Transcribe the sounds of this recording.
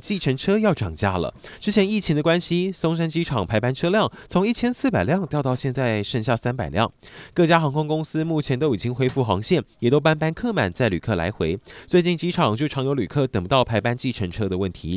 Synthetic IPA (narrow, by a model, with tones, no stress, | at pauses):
t͡ɕi˥˩ʈ͡ʂʰə˧˥ŋʈ͡ʂʰɤ˥jɑ˥˩ʊʈ͡ʂɑ˨˩ŋt͡ɕja˥lə̰˨ | ʈ͡ʂɻ̩˥t͡ɕʰjɛ˧˥ni˥˩t͡ɕʰi˧˥ŋd̪ə˧kwa˥nɕi˧sʊ˥ŋʂ̬a˥nt͡ɕi˥ʈ͡ʂʰɑ˨˩ŋpʰa˧˥ɪpa˥nʈ͡ʂʰɤ˥ljɑ˥˩ŋt͡sʰʊ˧˥ŋi˥˩t͡ɕʰjɛ˥nsɹ̩˥˩pa˨˩ɪljɑ˥˧ŋt̪jɑ˥˧ʊt̪ɑ˥˧ʊɕjɛ˥˧nt͡sa˥˧ɪʂə˥˧ŋɕ̬ja˥˩sa˥npa˨˩ɪljɑ̰˥˩ŋkɤ˥˩t͡ɕja˥xɑ˧˥ŋkʰʊ˥ŋkʊ˥ŋsɹ̩˥mu˥˩t͡ɕʰjɛ˧˥nt̪o˥ʊi˨˩t͡ɕi˥ŋxwe˥ɪfu˥˩xɑ˧˥ŋɕjɛ˥˩njɛ˨˩t̪o˥ʊpa˥npa˥nkʰɤ˥˩ma̰˨˩nt͡sa˥˩ɪly˨˩kʰɤ˥˩la̰˧˥ɪxwe˧˥ɪt͡swe˥˧ɪt͡ɕi˥˩nt͡ɕi˥ʈ͡ʂʰɑ˨˩ŋt͡ɕjo˥˩ʊʈ͡ʂʰɑ˧˥ŋjo˧˥ly̰˨˩kʰɤ˥˩t̪ə˨˩ŋpu˧˥ɑ˥˩ʊpʰa˧˥ɪpa˥nt͡ɕi˥˩ʈ͡ʂʰə˧˥nʈ͡ʂʰɤ˥d̪ə˨˧wə˥˩nt̪ʰi˧˥